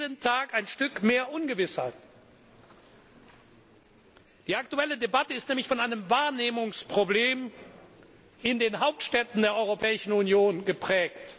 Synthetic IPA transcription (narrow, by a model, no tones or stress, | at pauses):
əntʰaːkaɪnʃtʏkmeːɐʔʊnɡəvɪsha̰ɪt | d̥iːaktuɛlədebatəɪstnɛːmlɪçfɔnʔaɪnəmvaːɐneːmʊŋspʁ̥obleːm | ɪndeːnɦaʊp̚tʃtɛtn̩deːɐʔɔʏʁ̞opʰɛːɪʃn̩unjoːnɡəpʁ̥ɛːkt